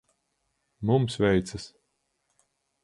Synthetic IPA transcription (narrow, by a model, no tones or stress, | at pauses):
mumsvɛjt̪sas